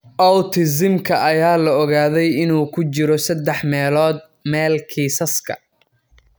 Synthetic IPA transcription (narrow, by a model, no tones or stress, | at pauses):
ʔɐwt̪ʰɪs̬ɪmkʰɐʔɐjaːlɐɔɣaːðɛjɪnuːkʰʊt͡ʃɪɾɔsɐd̪ːɛħmɛːlɔːd̪̚ | mɛːlkʰiːsɐskʰɐ̰